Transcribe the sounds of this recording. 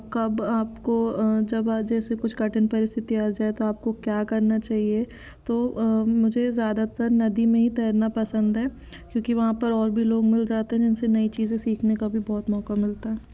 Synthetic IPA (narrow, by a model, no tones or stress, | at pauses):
kɐbaːpkod͡ʒɐbd͡ʒɛːsekʊt͡ʃʰkɐʈənpɐɾɪst̪ʰɪt̪iaːd͡ʒaːet̪oaːp̚kokjaːkɐɾnat͡ʃaːɦie | t̪oːmʊd͡ʒʱezjaːd̪at̪ɐɾnɐd̪imẽɦit̪ɐjəɾnapɐsə̃nd̪ɦɛː | kjõːkiʋɐɦãpɐɾɔːɾbʱiloːɡmɪld͡ʒaːt̪eɦɛ̃d͡ʒɪnsenɐit͡ʃiːzẽsiːkʰnekabʱibɔːt̪mɔːkamɪlt̪aɦɛː